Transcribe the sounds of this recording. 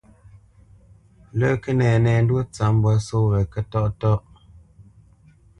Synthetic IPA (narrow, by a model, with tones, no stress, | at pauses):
lə˦ke˦nɛː˨nɛ˨n˦dwo˦t͡sa˨˦m̩˦bɔ˨˦so˦wɛ˨kə˦tɔ˦ʔtɔ˦ʔ